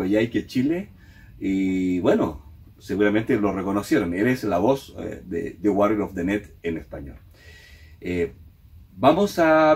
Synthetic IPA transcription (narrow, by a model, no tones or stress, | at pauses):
eʝajket͡ʃile | iβweno̰ | seɣuɾamẽnt̪elo̞reko̞nosjeɾoneleslaβosd̪ḛd̪eɣwariɾofd̪enet̪enespaɲo̰l | e | bamosa